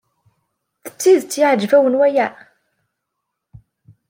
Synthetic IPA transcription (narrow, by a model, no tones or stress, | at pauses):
θə̥t͡sːiðt͡sːjɪʕəd͡ʒːvæwənwæjæ